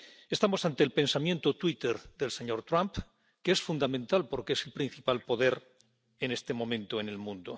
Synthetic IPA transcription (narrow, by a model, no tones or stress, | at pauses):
e̞st̪amo̞sant̪elpe̞nsamjent̪ot̪wit̪eɾðe̞lse̞ɲo̞ɾt̪ɾamp | keesfund̪amẽnt̪alpo̞ɾkeeselpɾin̟θipalpo̞ðe̞ɾ | ene̞st̪e̞mõ̞mẽnt̪oene̞lmũnd̪o̰